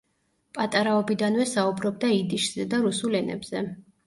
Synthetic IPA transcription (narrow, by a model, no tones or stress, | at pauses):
pʼat̪ʼaɾaɔbid̪anvɛsaubɾɔb̚d̪aid̪iʃz̥ɛd̪aɾusulɛnɛ̰bz̥ɛ